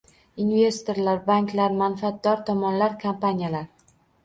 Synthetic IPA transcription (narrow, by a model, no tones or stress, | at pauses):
inve̞st̪o̞ɾlaɾbaŋkʲlaɾmanfat̪̚d̪ɒɾt̪ʰɒmɒnlaɾkʰampanʲijalaɾ